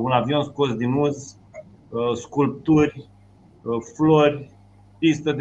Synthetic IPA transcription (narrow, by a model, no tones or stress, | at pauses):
unavio̞nskosd̪inuz | skulp̚t̪urʲ | florʲ | pist̪əd̪